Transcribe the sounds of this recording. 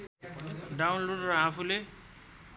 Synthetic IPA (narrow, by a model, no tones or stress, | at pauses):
ɖawnloɖɾɔafʰule